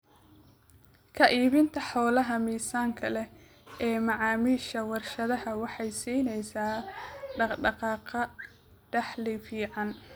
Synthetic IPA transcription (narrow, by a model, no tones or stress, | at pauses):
kʰɐʔiːβɪnt̪ʰɐħɔːlɐɦɐmiːsaːŋkʰɐlɛ | ʔɛːmɑʕɑːmiːʃɐwɑrʃɐðɐhɐwɑħɑjsiːnɛjsaːɖɑɖɑqɑːqɐ | ɖ̥ɑħlɪfiːʕɑn